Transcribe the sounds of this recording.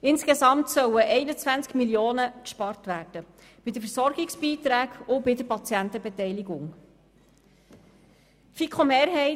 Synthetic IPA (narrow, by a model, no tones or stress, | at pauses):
ɪnskesɑmtsœwəʔɛɪnət͡svænt͡skmiljoːnəkʃpɑɾtʋæːrd̥ə | b̥ɪdəfəɾsɔɾɡɪksb̥iːt̪ɾæːɡʊbɪdəpɑt͡sjænt̪əbetɛɪjliɡʊŋ | tfikχomeːɾɦɛɪ